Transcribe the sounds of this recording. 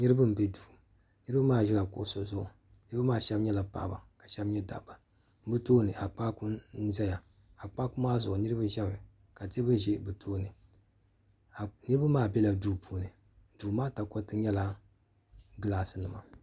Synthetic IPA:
nɨ˦ɾɨ˦bɨ˦m̩˨bɛ˦duː˨ | nɨ˦ɾɨ˦ba˦maː˦˨ʒɛ˦la˨kʊ̰˨ʔʊ˨so˨zʊ˦ʔʊ˨ | nɨ˦ɾba˦maː˦˨ʃɛ˦bɲɛ˦la˨pa̰˨ʔba̰˨ka˨ʃɛ˦bɲɛ˦da̰˨ʔba˨˦ | bɨ˦toː˦nɨ˨ʔa˨k͡pa˦ku˦n˦zɛ˦ja˨ | a˨k͡pa˦kʊ˦maː˦zʊ˨ʔʊ˨nɨ˦ɾɨ˦bɨ˦ʒɛ˦mɨ˨ | ka˨te˦bɨ˦ʒe˦bɨ˨tʰoː˦nɨ˨ | a˨nɨ˦ɾɨ˦ba˦maː˦˨bɛ˦la˨duː˦pʰu˦˨nɨ˨ | du˨maː˦ta˨ko˦tɨ˦ɲɛ˦la˦ | ɡɨ˦laː˨sɨ˦nɨ˨ma˨

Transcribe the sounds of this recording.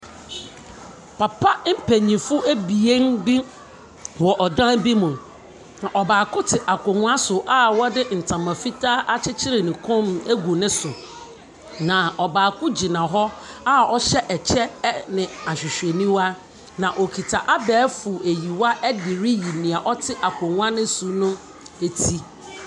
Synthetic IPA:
pʰa˨pʰa˦m̩˦pʰæ˨ɲĩ˨fʊ˦ʔæ˦bi˨e˦n˦bi˦ | wɔ˨ʔɔ˨dã˦bi˦mũ˨m | nã˨ʔɔ˨baː˨kʰʊ˦tʰɪ˨ʔa˨kʷʰɔ˨ŋʊ̃˦a˦sʊ˨ʔa˦wɔ˦dɪ˦n̩˨tʰã˨mã˨fi˦tʰaː˦ʔa˦t͡ɕʰɪ˦t͡ɕʰɪ˦ɾɪ˨nɪ̃˨kʰʊ̃˦mæ˦ɡu˨nɪ̃˦sʊ˨ | nã˨ɔ˨baː˨kʰʊ˦d͡ʑi˨nã˨ɦɔ˦a˦ɔ˦ɕɛ˦ʔɛ˨t͡ɕʰɛ˦nɪ̃˨a˨ɕᶣɪ˨ɕᶣe˨nĩ˦wa˦ | nã˨ʔo˨kʰi˨tʰa˨ʔa˦bɛː˨˦fʊ˨e˨ji˨wa˦ʔɛ˦dɪ˨ɾi˦ji˨nĩ˨a˨ʔɔ˦tʰɪ˦ʔa˨kʰɔ˨ŋʊ̃˦a˦nɪ̃˦su˨nʊ̃˦ | e˨tʰi˦

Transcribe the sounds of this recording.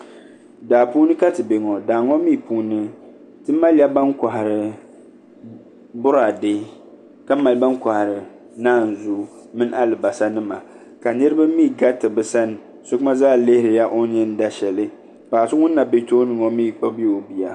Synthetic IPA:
daː˨puː˦nɨ˦ka˦tɨ˨be˨ŋɔ˨daː˨ŋɔ˦miː˦˨puː˦nɨ˦ | tɨ˦ma˦lja˦ba˦nka˨ha˨ɾɨ˨ | bʊ˦ɾa˨dɪ˦ | ka˦ma˨lba˦nka˨ha˨ɾɨ˨ | naː˦˨n̩˨zu˦ | mɨ˦n˦ʔa˦lɨ˨ba˨sa˦nɨ˦ma˨ | ka˨nɨ˦ɾɨ˦ba˦miː˦˨ɡa˦tɨ˨bɨ˨sa˦n˨ | sʊ˦kma˦zaː˦˨lɪ˦hɪ˦ɾɪ˨ja˦ʔo˦ɲɛ˦n˦da˦ʃɛ˨lɨ˦ | paː˨sɨ˦ŋʊ˦nː˦a˨be˦toː˦nɨ˨ŋɔ˦miː˦˨k͡pa˦bi˦o˨bi˨ja˨

